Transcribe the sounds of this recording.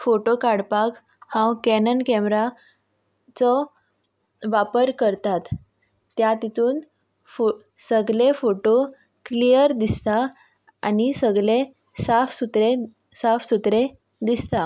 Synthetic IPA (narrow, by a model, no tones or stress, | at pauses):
foʈokaɽpak | hãwkɛnənkɛmɾa | t͡sɔ | ʋapəɾkəɾt̪at̪ː | jat̪it̪uːn | fo | səɡlefoʈo | klijəɾd̪ist̪a | anisəɡɭe | safsut̪ɾe | safsut̪ɾe | d̪ist̪a